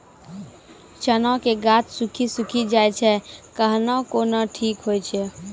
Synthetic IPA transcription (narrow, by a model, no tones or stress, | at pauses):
t͡ʃənakeɡat̪sukʰisukʰid͡ʒaːjt͡ʃʰɛkəɦnakonaʈʰiːkɦojt͡ʃʰɛ